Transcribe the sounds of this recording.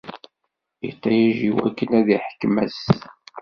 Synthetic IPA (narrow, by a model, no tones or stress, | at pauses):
jḭt̪ˤːɑjæʒiwæ̰kːənæðiħə̥kːmæs